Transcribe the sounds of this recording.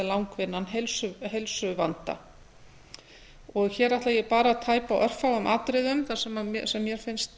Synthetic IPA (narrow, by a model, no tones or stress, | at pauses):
ɪlawŋkvɪnːanɦelsʏɦelsʏvant̪a̰ | ɔɣçɛːɾajht̪lajɛpaːɾaaðt̪ʰaːjpawʔœr̥fawʏmʔaːt̪ɾɪðʏmθḁsɛmamsɛmːjɛɾ̥fɪnst̪